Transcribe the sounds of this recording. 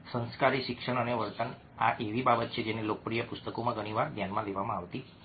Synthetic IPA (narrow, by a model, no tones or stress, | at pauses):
sə̃nskaɾiʃɪkʂəɳ̃əneʋəɾt̪ən | aʔeʋibabət̪̚t͡ʃʰed͡ʒenelokəpɾijəpʊst̪əkomãɡəɽ̃iʋaɾd̪janmãleʋamãaʋt̪i